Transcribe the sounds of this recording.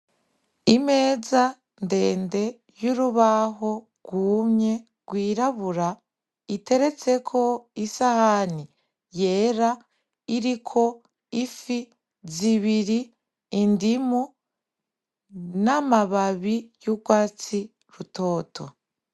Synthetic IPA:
ime̞ːza | nde̞ːnde̞ | juɾuβaɦo̞ | ɡ̥wuːmɲe̞ | ɡ̥wiːɾaβuɾa | ite̞ɾe̞t͡se̞kʰo̞isahani | je̞ːɾa | iɾikʰo̞ | ifi | ziβiɾiː | ndimu | namaβaβijuɡwaːt͡si | ɾuto̞ːtʰo̞̰

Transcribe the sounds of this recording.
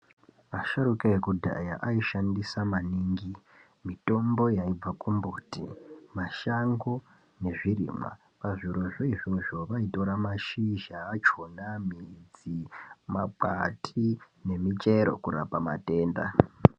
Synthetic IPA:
maʃaɾukaekudʱa̰ja̰ʔaiʃandisamaniːŋɡi | mito̞mbo̞jaib͡vakumbutḭmaʃaŋɡo | ne̞ʐirḭːma̰ | paʐiɾo̞ʐoiʐiʐo̞ʋaito̞ɾamaʃiʒaːt͡ʃonamid͡zimak͡pa̰tʰi | ne̞mit͡ʃe̞ɾo̞̰kuɾa̰pama̰te̞ːnda̰

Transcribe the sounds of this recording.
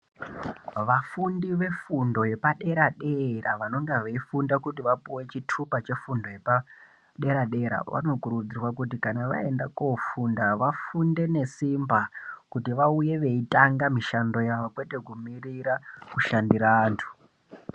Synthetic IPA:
ʋafundiʋe̞fundo̞je̞paɗe̞ɾaɗeraʋano̞ŋɡeʋeifundakutiʋapuwe̞t͡ʃitʰupat͡ʃe̞fundo̞je̞pa | ɗe̞ɾaɗe̞ɾa̰ʋa̰no̞kuɾud͡zirwakutikanaʋa̰e̞ndakofundaʋafunde̞ne̞simbakutiʋauje̞ʋe̞itaŋɡamiʃando̞jaʋokwe̞te̞kumiriɾakuʃandiɾaːntʰu̥

